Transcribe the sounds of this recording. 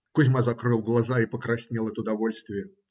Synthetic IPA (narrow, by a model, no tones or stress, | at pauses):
kʊzʲmazɐkɾɨlˠɡlˠɐzaipəkɾɐsʲnʲilˠɛt̪əʊd̪ɐvolʲst̪vʲɪjə